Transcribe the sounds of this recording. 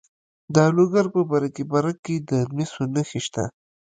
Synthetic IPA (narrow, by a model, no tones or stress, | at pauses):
d̪əloɡaɾpəbaɾakibaɾakːed̪əmisonəxiʃt̪a̰